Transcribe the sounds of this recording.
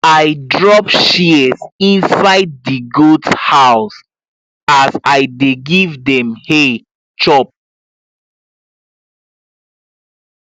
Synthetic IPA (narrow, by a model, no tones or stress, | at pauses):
ajdɹɔpʃizĩnsaɪd̚ːiɡutshaʊs | asajdeɡivdɛ̃mhe | t͡ʃɔp̚